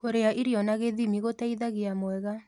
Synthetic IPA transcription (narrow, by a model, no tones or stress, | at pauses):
koɾeaʔiɾiɔnaɣeðimiɣotaiðaɣeamwɛɣa